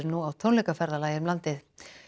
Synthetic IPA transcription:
ɾnuawt̪ʰownlɛjkafɛɾðalaːjɪɾmlant̪ɪθ

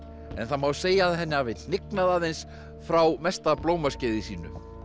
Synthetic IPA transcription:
ɛ̰nθamawseːjaðɦɛnːɪavɪt̪nɪknaðaːðejns | fɾawmɛst̪aploːwmascɪːðɪsḭːnʏ̰

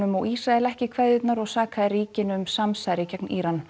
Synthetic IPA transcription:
ʏmɔɣisɾaɛlɛhcɪkʰvɛjðɪt̪naɾɔɣsaːkʰaðɪriːcɪnʏmsamsaɾɪcɛkniːɾan

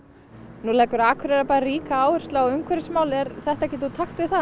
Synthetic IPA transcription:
nulɛːjkʏɾaːkʰvœɾɛɾapaːɾaɾiːkaaːwʏr̥st̪laɔʏŋkʰvɛɾɪsmaːwlɛɾθɛht̪aɛcɛt̪ut̪ʰaxt̪vɪðθa

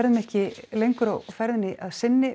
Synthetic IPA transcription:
ɾðmɛhcɪlejŋkɾowfɛɾðnɪʔaðsɪnːɪ

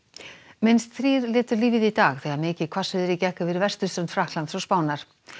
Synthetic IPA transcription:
mɪnst̪θɾiːɾlɛːt̪ʏɾliːvɪðit̪aːɣθɛːɣamɪːcɪðkʰvasvɪðɪɾicɛhkavɪɾvɛr̥st̪ʏ̥st̪ɾɛmnt̪fɾahk̪lant̪sɔɣspaːwnaɾ̥

